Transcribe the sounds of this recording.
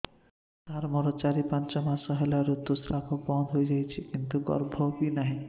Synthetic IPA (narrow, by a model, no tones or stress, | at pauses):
t̪aɾmɔɾot͡ɕaɾipant͡ɕɔmasɔɦelaɾut̪ːusɾapʰobɔnd̪ɦojed͡ʑajt͡ɕʰekint̪uɡɔ̰ɾbʱobinaɦe